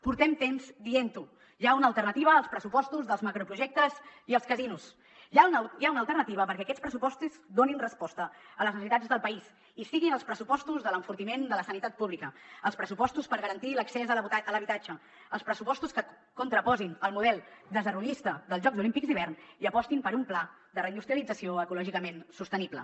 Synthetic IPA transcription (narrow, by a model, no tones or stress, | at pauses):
puɾt̪ɛmt̪emzd̪ient̪u | ʒaunəːlˠt̪ərnət̪iβ̞əːlˠspɾəsupɔst̪uzðəlˠzməkɾupɾuʒɛk̚t̪əziəlˠskəzinus | ʒaʒaunəlˠt̪əɾnət̪iβ̞əpəɾkɛəkɛspɾəs̬upɔst̪uzd̪oninrəspɔst̪əələznəsit̪ad͡zðəlˠpəis | isiɣinəlˠspɾəsupɔst̪uzðələɱfuɾt̪imend̪ələsənit̪at̪̚puβlikəəlˠspɾəsupɔst̪uspəɾɣəɾənt̪iləksɛzəələβit̪ad͡ʒəː | lˠspɾəsupɔst̪uskə | kunt̪ɾəpɔzinəlˠmuðɛlˠd̪əzəɾβunist̪əðəlˠzʒɔɡzulimpikziβ̞ɛrniəpɔst̪impəɾumpla | d̪ərəind̪ust̪ɾjəlid͡zəsioəkulɔʒikəmensust̪əniblə̰